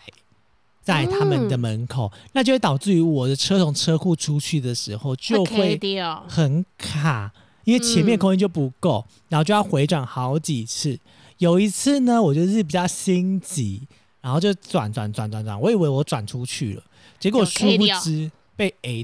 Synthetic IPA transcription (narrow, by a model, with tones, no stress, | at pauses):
t͡sa˥˩ɪt̪ʰa˦mə˨nd̪ə˨mə˧˦nkʰo˨˩ʊna˥˩t͡ɕjo˥˧we˥˩t̪ɑ˨˩ʊt͡sɹ̩˥˩y˧˥wɔ˨˩d̪ə˦ʈ͡ʂʰɤ˥t̪ʰʊ˧˥ŋʈ͡ʂʰɤ˥ku˥˩ʈ͡ʂʰu˥˦t͡ɕʰy˥˩d̪ə˩ʂɻ̩˧˥xo˥˧ʊt͡ɕjo˥˧ʊxwe˥˨ɪxə˨˩nkʰa˨˩ | i˦nwe˥˩ɪt͡ɕʰjɛ˧˦nmjɛ˥˨nkʰo˥ŋi˥t͡ɕjo˥˩ʊpu˨˦ko˥˩ʊ | ɻa˨˦xo˥˧˩t͡ɕjo˥˧jʊxwe˧ɪʈ͡ʂwa˨˩nxɑ˧˦ʊt͡ɕi˨˩t͡s̩ʰ˥˩ | jo˨˩ʊi˧˥t͡s̩ʰ˥˩nə˨wɔ˨˩t͡ɕɥɛ˥˧d̪ə˧ʂɻ̩˥˩pi˨˩t͡ɕjɑ˥˩ʊɕi˦nt͡ɕi˧˦ | ɻa˨˦nxo˥˧ʊt͡ɕjo˥˧˩ʊʈ͡ʂwa̰˨˩˦nt͡swa˨˩nt͡swa˨˩nt͡swa˨˩nt͡swa̰˨˩nwɔ˧˥i˨˩we˧ɪwɔ˧˥ʈ͡ʂwa˨˩nʈ͡ʂʰu˦t͡ɕʰy˥˩lə̰˩ | t͡ɕjɛ˧˥kwɔ˨˩ʂu˥˧pu˥˩t͡sɻ̩˥˦ | pe˥˩ɪe˧˥